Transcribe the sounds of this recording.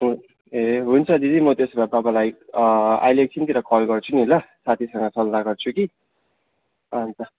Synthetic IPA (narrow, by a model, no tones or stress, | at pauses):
ɦu | eɦunt͡sʰʌd͡zid̪imʌt̪esbababalaj | a̰jlek̚t͡sʰint̪iɾʌkʌlɡʌrt͡sʰunilʌsat̪ʰisʌŋɡʌsʌlnaɡʌrt͡sʰuki | ʌnt͡sʰʌ